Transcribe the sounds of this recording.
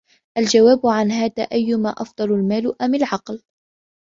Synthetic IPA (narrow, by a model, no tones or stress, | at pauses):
ʔald͡ʒawaːbʊʕanɦaːða̰ːʔajːʊmaːʔɑfd̪ˤɑlalmaːlʊʔamɪlʕɑql